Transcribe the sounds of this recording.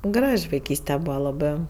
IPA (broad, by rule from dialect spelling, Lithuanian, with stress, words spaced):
ˈɡrɐʃʲ ʋɐɪˈkʲiːsʲtʲɛ ˈbuːʋɐ lˠɐˈbɜ